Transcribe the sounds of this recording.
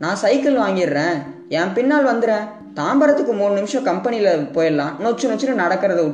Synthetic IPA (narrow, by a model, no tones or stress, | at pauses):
nãːsɐɪkɐlʋaːŋɡɪɾːẽː | ɛ̃ːpɪnːaːlʋɐnd̪ɯɾẽː | t̪aːmbɐɾɐt̪ːɯkːɯmuːnɯnɪmɪʂɐ̃kɐmpɛnɪjɪlɐpoːjɐlːãːnoːt͡ʃːɯnoːt͡ʃːɪʈːɯnɐɽɐkːɯɾɐðɯʊ